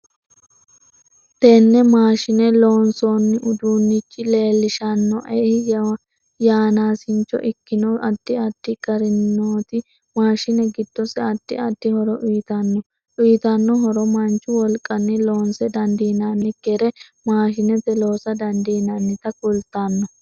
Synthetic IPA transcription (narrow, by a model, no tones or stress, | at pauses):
t̪ɛnːɛmaːʃɪnɛlo̞ːnsoːnːɪʔʊd̪uːnːɪt͡ʃʼːɪle̞ːlːɪʃɐnːɔʔɛhɪj | jaːnaːsɪnt͡ʃːɔ̰ʔɪkːɪnɔʔɐd̪̥ːɪɐd̪̥ːɪɡɐɾɪnːoːt̪ɪ | maːʃɪnɛɡɪd̪̥ːɔsɛɐd̪ːɪɐd̪ːɪhɔɾɔʔʊjt̪ɐnːɔ | ʔʊjt̪ɐnːɔɦɔɾɔmɐnt͡ʃːʊwɔlkʼɐnːɪlo̞ːnsɛd̪ɐnd̪iːnanːɪɡɛɾɛ | maːʃɪnɛt̪ɛlo̞ːsɐd̪ɐnd̪iːnɐnːɪt̪ɐkʊlt̪ːanːɔ